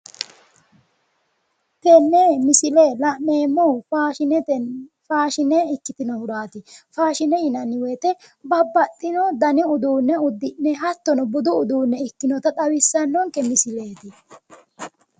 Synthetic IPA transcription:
kɛnːemɪsɪlelɐʔneːmːɔ | faːʃɪnɛɪkːɪt̪ɪnɔhʊɾaːt̪ɪfaːʃɪnɛɪnɐnɪweːt̪ɛ | bɐbːɐt̪ʼːɪnɔd̪ɐnɪʊd̪uːnːɛʊd̪ːɪnːɛɦɐt̪ːɔnɔbʊd̪ʊʊd̪uːnːɛɪkːɪnɔt̪ɐt̪ʼɐwɪsːɐnːɔŋkɛmɪsɪle̞ːt̪ɪ

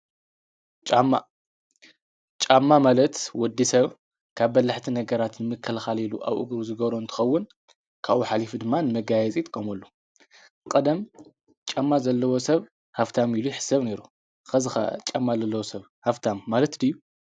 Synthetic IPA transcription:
t͡ʃʼamːa | t͡ʃʼamːamalɐt̪wɔd̪ːisɐβ | kʰaβːɐlːaħt̪ʰinɐɡɐɾat̪nɨmɨkʰːɐlxaliluʔa̰βʔɨ̰ɡɾuzɨɡɐβɾoɨnt̪ʰɨ̥xɐwːʊn | kʰaʔuħalifud̪ɨmːanɨmɐɡajɛt͡sʼit̪ʼɨkʼːɐmɐlːu | kʼɐd̪ɐm | t͡ʃʼamːazɐlːɐwo̞sɐβ | haft̪ʰamiluħɨ̥sɐβne̞ɾu | xɐzɨxɐ̰t͡ʃʼamːazɐlːɐwosɐβ | haft̪ʰamːalɐt̪d̪ijːu

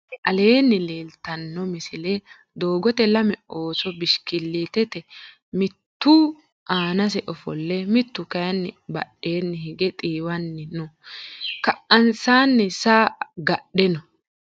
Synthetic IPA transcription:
ʔɐle̞ːnːɪleːlt̪ɐnːɔmɪsɪlɛ | d̪o̞ːɡɔt̪ɛlɐmɛo̞ːsɔbɪʃkɪlːiːt̪ɛt̪ɛ | mɪt̪ːu | ʔaːnɐs̬ɛʔɔfɔ̰lːɛmɪt̪ːʊkɐjɐnːɪbɐ̰ɗe̞ːnːɪhɪɡɛt̪ʼiːwɐnːɪnʊ | kɐʔɐnsaːnːɪsaːɡɐɗɛnɔ

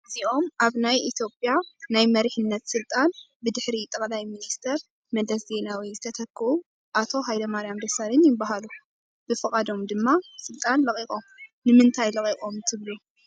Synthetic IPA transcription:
ʔɨziʔo̞mʔaβnajit̪ʰjo̞pʼjanajmɐɾiħɨnːɐt̪sɨlt̪ʼan | bɨd̪ɨħɾit̪ʼɐkʼlajminist̪ʰɐɾ | mɐd̪ɐsze̞nawizɨt̪ʰɐt̪ʰɐkʰːɨʔu | ʔat̪ʰo̞ɦajd̪ɐmaɾijamd̪ɐsaɾɨnjɪbːaɦalu | b̥ɨfɨkʼad̪o̞md̪ɨmːasɨlt̪ʼanlɐkʼikʼomnɨmɨnt̪ʰajlɐqʼiqʼomt̪ʰɨβlu

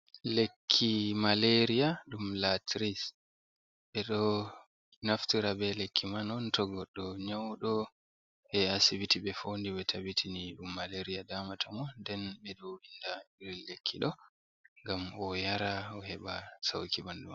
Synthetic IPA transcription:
lekʰːimaleɾijaɗumlatɾis | ɓɛɗɔ | naftiɾabɛlekʰːimanɔntɔɡɔɗːɔɲawɗɔ | hɛasibitiɓɛfondiwɛtʰabitʰiniɗumːaleɾiadamatʰɔŋɔndɛnɓɛɗɔindaiɾilekʰːiɗɔ | ŋɡamɔjaɾaɔhɛɓasa̰wkibanduma

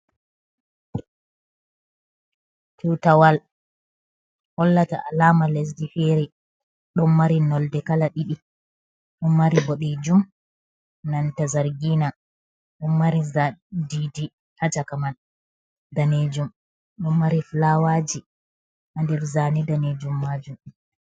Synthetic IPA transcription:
tiwtawal | hɔlːata̰ʔalaːmales̬difɛɾɛ | ɗɔnmaɾinɔldɛkalaɗiɗi | ɗɔnːaɾiboɗid͡ʒum | nantazaɾɡina | ɗɔnmaɾizadidi | hat͡ʃakaman | daned͡ʒum | ɗɔmːaɾiflawad͡ʒi | ʔandɛɾzaːnidaned͡ʒumːad͡ʒum

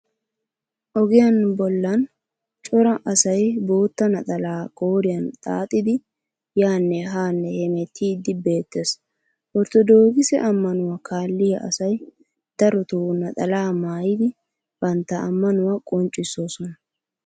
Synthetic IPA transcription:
ʔɔɡɪjɐnbɔlːɐn | t͡ʃʼɔɾɐʔɐsɐjboːt̪ːɐnɐt̪ʼɐlaːkʼoːɾɪjɐnt̪ʼa̰ːt̪ʼːɪd̪ɪ | jaːnːɛɦaːnːɛhɛmɛt̪ʰːiːd̪ɪbe̞ːt̪ːeːs | ʔɔɾt̪ɔd̪oːɡɪsɛ̰ʔɐmːɐnʊwɐkaːlːɪjɐʔɐsɐj | d̪̥ɐɾɔt̪uːnɐt̪ʼɐlaːmaːjɪd̪ɪ | b̥ɐnt̪ːɐɐmːɐnʊwakʼʊnt͡ʃʼːɪsːoːsɔnɐ

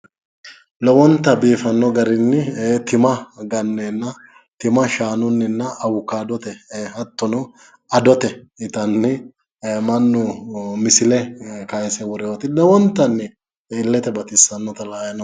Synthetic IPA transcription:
lɔwɔnt̪ːɐbiːfɐnːɔɡɐɾɪnːɪt̪ɪmɐɡɐnːɛnːɐ | t̪ɪmɐʃaːnʊnːɪnːɐʔːwʊkːaːd̪ɔt̪ɛhɐt̪ːɔnɔ | ɐd̪ɔt̪ɛɪt̪ɐnːɪ | mɐnːʊmɪsɪlɛkɐjɛsɛwɔɾɪjoːt̪ɪlɔwɔnt̪ːɐnːɪː | lːɛt̪ɛbɐt̪ɪsːɐnːɔt̪ɐlaːjɐnɐ

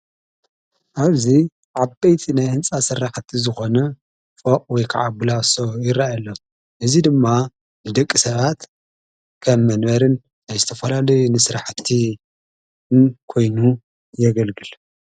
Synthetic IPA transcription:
ʔaβzi | ʕabejt̪ʰinajhɨnt͡sʼasɨraħt̪ʰizɨxo̞nɐ | foqʼwɔjkʰa̰ʕabɨlasojɪɾajalːo | ʔɨzid̪ɨmːa | nɨd̪ɐkʼːisɐβat̪ | kʰɐmːɐnβɐɾɨn | ajzɨt̪ʰɐfɐlalɐjunɨsɨɾaħt̪ʰi | kʰo̞jnu | jɛɡɐlɡɨl

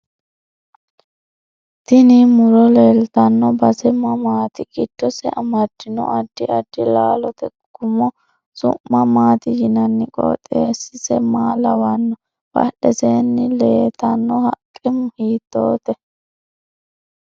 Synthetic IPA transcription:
t̪ɪnɪmʊɾɔleːlt̪ɐnːɔbɐsɛmɐmaːt̪ɪkʼɪt̪ːɔsɛʔɐmɐd̪ːɪnɔ̰ʔɐd̪ːɪɐd̪ːɪlaːlɔt̪ɛ | ɡ̥ʊmːɔ | sʊ̰mːɐmaːt̪ɪjɪnɐnːɪkʼɔ̰ːt̪ʼeːsɪsɛ̰maːlɐwɐnːɔ | b̥ɐ̰ɗɛseːnːɪle̞ːt̪ɐnːɔhɐkʼːɛmʊhiːt̪ːo̰ːt̪ɛ

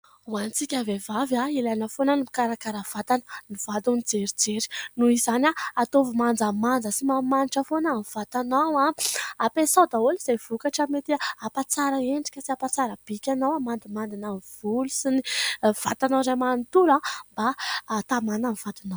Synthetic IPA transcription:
uanit͡sikʲavevavjailajnəfonənimikaɾakaɾəv̥at̪anə̥niv̥ad̪unid͡zeɾid͡zeɾi̥nuizanʲaat̪ovumand͡zamand͡zəsimamaniʈ͡ʂəfonamiv̥at̪anawaːpesawd̪aoliz̥ejv̥ukaʈ͡ʂamet̪iaapat͡saɾaeɳɖ͡ʐi̥kʲəsiapat͡saɾəb̥ikʲanawamand̪imand̪inamiv̥ulusiniv̥at̪anawɾamant̪ulambat̪amanamiv̥at̪ina

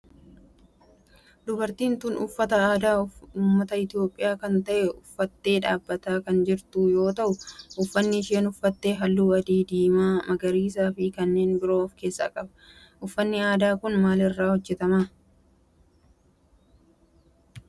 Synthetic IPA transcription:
d̪ʊbɐɾt̪iːnt̪ʊnʊfːɐt̪ɐaːd̪aːʊuːmːɐt̪ɐɪt̪ɪjo̞ːpʼːɪjaːkɐnt̪ɐʔɛʊfːɐt̪ːe̞ːᶑaːbːɐt̪aːkɐnd͡ʒɪɾt̪uːjo̞ːt̪ɐʔʊʔʊfːɐnːɪʃe̞ːnʊfːɐt̪ːe̞ːɦɐlːuːɐd̪iːd̪iːmaːmɐɡɐɾiːs̬aːfɪkɐnːe̞ːnbɪɾo̞ːɔfke̞ːsːa̰kʼɐbɐ̥ | ʔʊfːɐnːɪaːd̪aːkʊnmaːlɪrːaːhɔd͡ʒːɛt̪ɐmaː

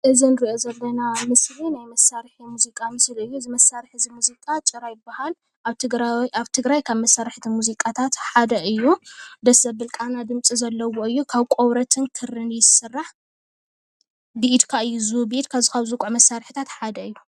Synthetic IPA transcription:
ʔɨzinɨɾiʔozɐlːɐnamɨslinajmɐsːaɾħimuzikʼamɨsliɨjːuɨzimɐsːaɾħɨzimuzikʼat͡ʃʼɨɾajɪbːahal | ʔaβt̪ɨɡɾaaβt̪ʰɨɡɾajkʰaβmɐsːaɾɨħt̪ʰimuzikʼat̪ʰat̪ħad̪ɐʔɨjːud̪ɐsɐβɨlkʼanad̪ɨmt͡sʼizɐlːɐwoɨjːukʰaβkʼoβɾɐt̪ʰɨnkʰɨrɨnjɪsɨrːaħ | biʔit̪kʰaɨjːuzubiit̪kʰaβzikʰaβzukʼuʕmɐsːaɾħɨt̪ʰat̪ħad̪ɐɨjːu

